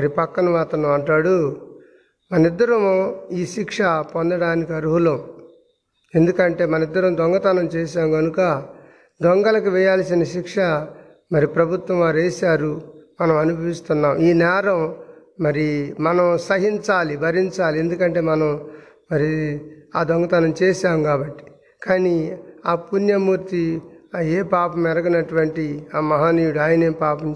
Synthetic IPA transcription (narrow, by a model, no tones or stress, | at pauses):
mɐɾipɐkːɐnɐʋaːt̪ɐnɐmɐɳʈaːɽu | mɐnɐid̪ːɐɾɐmoːiːʃikʂɐpond̪ɐɽaːnikiɐɾuɦulɐm | e̞nd̪ukɐɳʈe̞ːmɐnɐid̪ːɐɾɐmd̪ɔŋɡɐt̪ɐnɐmt͡ʃeːʃaːmɡɐnukɐ | d̪ɔŋɡɐlɐk̬iʋɛjaːlɐsinɐʃikʂɐ | mɐɾipɾɐbʱut̪ʋɐmʋaːɾeːsaːɾumɐnɐmɐnubʱɐʋist̪unːaːmiːnɛːɾɐm | mɐɾimɐnɐmsɐɦiɲt͡ʃaːlibʱɐɾiɲt͡ʃaːliend̪ukɐɳʈe̞ːmɐnɐm | mɐɾiaːd̪ɔŋɡɐt̪aːnɐmt͡ʃeːʃaːmkaːbɐʈːi̥ | kaːniaːpunjɐmuːɾt̪ieːpaːpɐmɛɾɐɡɐnɐʈuʋɐɳʈiaːmɐɦaːniːjuɽuaːjɐneːpaːpɐm